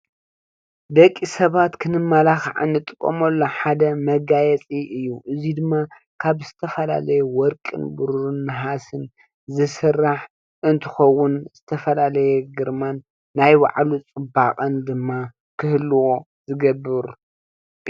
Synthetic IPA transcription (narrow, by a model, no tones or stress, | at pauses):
d̪ɐkʼːisɐβat̪kʰɨnɨmːalaxʕa̰nːɨt̪ʼɨkʼːo̰mɐlːo̞ħad̪ɐmɐɡajɛt͡sʼiʔɨjːuʔɨzid̪ɨmːa | kʰaβzɨt̪ʰɐfɐla̰lɐjuwɔɾkʼɨ̰nbuɾɾɨnːɨɦasɨn | zɨsɨrːaħ | ʔɨnt̪ʰɨ̥xɐwːʊnz̥ɨt̪ʰɐfɐlalɐjɛɡɨɾmanː | ajwa̰ʕlut͡sʼɨbaqʼɐnd̪ɨmːa | kʰɨhlɨwo | zɨɡɐbːɨɾ